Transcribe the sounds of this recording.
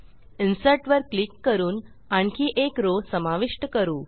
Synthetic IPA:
insəɾʈʋəɾklikːəɾuːn | aɳkiːʔekɾosəmaʋiʂʈəkəɾuː

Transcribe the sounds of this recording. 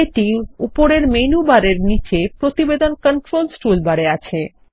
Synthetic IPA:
eʈiupoɾeɾmenubaɾeɾnit͡ɕepɾot̪ibed̪onkəɳʈɾolsʈulbaɽeat͡ɕʰe

